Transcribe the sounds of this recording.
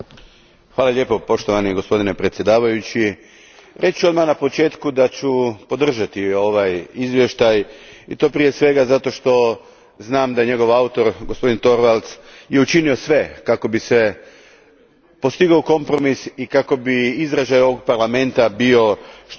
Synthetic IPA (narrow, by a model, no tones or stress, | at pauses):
xʋaːlˠaʎʲe̞ːpo̞po̞ʃt̪oʋaniɡo̞spo̞d̪ine̞pɾe̞t̪sʲje̞d̪aːʋajut͡ɕi | ɾʔe̞t͡ʃuo̞d̪manapo̞t͡ʃe̞ːt̪kud̪at͡ɕupo̞d̪r̩ʒat̪io̞ʋajizʋje̞ʃt̪ajḭt̪o̞ːpɾije̞sʋe̞ɡazat̪o̞ʃt̪o̞ | znaːmd̪aɲe̞ɡo̞ʋaut̪o̞ɾɡospo̞d̪int̪o̞ɾʋalˠt̪sje̞ut͡ʃinio̞sʋe̞kako̞bise | po̞st̪iɡowko̞mpɾo̞misikako̞biizɾeʒajo̞ʋoɡ̚paɾlˠame̞nt̪abio̞ʃ